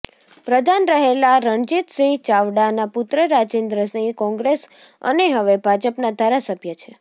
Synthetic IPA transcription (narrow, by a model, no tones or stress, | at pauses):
pɾəd̪ʱanɾəɦelaɾəɳd͡ʒit̪sĩt͡ʃaʋɽanapʊt̪ɾəɾad͡ʒend̪ɾəsĩjkɔ̃ŋɡɾes | ə̰neɦəʋebʱad͡ʒəpnad̪ʱaɾasəbʱjət͡ʃʰe